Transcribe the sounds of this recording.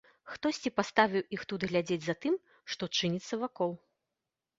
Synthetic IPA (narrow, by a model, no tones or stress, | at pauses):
xt̪ɔsʲt͡sʲipast̪avʲiwixt̪ud̪ɣlʲad͡zʲed͡zʲzat̪ɨm | ʂt̪ɔt͡ʂɨnʲit̪sːɐvakɔlˠ